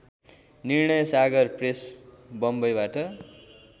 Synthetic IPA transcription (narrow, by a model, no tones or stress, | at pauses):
nirɳʌjʌsaɡʌrpresbʌmbʌjbaʈʌ